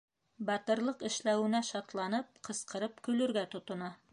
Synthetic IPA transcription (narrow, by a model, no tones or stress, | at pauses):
bɑt̪ɤ̆ɾlˠɤqɘ̆ʃlæwɘ̆næʃɑt̪lˠɑnɤp̚qɤ̆sqɤ̆ɾɤpkɵ̆lɵ̆ɾɡæt̪ŏt̪ŏnɑ